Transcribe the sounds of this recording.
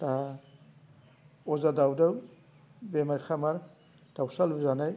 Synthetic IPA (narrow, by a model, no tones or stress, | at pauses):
ta | ɔzadawdaw | bɛmaɾxʰamaɾ | d̥awsalbuzanaj